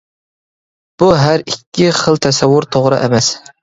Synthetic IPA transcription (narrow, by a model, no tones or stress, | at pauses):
b̥uɦæɾikʲːiχəlˠt̪ʰɛsɛwːʊɾt̪ʰoʁɾɨ̰ʔɛ̰mɛs